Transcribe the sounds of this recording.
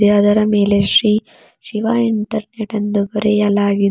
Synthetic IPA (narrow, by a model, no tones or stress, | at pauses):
eɐd̪ɐɾɐmeːleʃɾiː | ʃiʋaːiɳʈɐɾneʈɐnd̪ubɐɾejɐlaːɡi